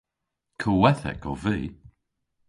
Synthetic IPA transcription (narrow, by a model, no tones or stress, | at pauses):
kʰowɛθɛ̰kʰɔviː